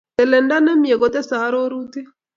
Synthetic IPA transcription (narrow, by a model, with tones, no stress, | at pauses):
ɛ˨lɛ˨nda˦nɛ˦mi˨ɛ˨kɔ˦t̪ɛ˦sa˨˦ɾɔ˦ɾu˦t̪i˦